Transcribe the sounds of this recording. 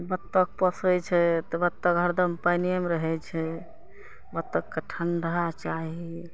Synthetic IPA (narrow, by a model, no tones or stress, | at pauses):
bət̪ːək̚pəsɾɛt͡ʃʰɛt̪ɔbət̪ːəkɦəɾd̪əmpajniəmeɾəɦɛt͡ʃʰɛ | bət̪ːəkːəʈʰənɾəɦat͡ʃaɦi